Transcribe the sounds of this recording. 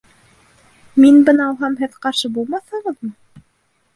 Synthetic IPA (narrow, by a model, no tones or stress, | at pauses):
minbɤnɑɑlˠɦɑmɦɘðqɑɾʃɤbulˠmɑθhɤʁɤ̆ðmɤ